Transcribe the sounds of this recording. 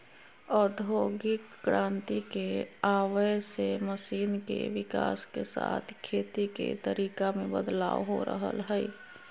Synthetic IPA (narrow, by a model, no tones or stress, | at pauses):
ɔːɾd̪ʱoːɡɪkːɾʔãːnt̪ikeaːwəseməsiːnkḛʋɪka̰ːskesa̰ːt̪ʰkʰeːt̪ikḛt̪əɾiːkamẽbəd̪la̰ːʋɦo̰ɾə̰ɦə̰lɦɛ